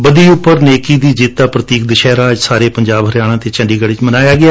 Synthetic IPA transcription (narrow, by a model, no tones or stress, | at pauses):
bəd̪iːʊpːəɾneːkiːd̪iːd͡ʒɪːt̪ːaːpɾət̪iːk̚d̪əʃɛːɾaːd͡ʒsaːɾeːpəɲd͡ʒaːbɦəɾjaːɽ̃ãːt̪eːt͡ʃə̃ɳɖiːɡəɽɪt͡ʃmənaːjaːɡɪaː